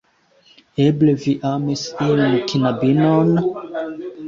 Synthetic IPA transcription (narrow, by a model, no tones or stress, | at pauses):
ebleviʔamisionkinabinon